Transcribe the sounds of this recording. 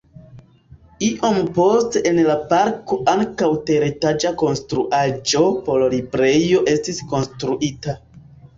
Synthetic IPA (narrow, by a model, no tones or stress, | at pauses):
iʔo̞mpo̞ste̞ʔenlapaɾko̞ʔaŋkawte̞ɾitad͡ʒako̞nstɾuʔad͡ʒo̞pollibɾe̞jjo̞ʔe̞stisko̞nstɾuʔita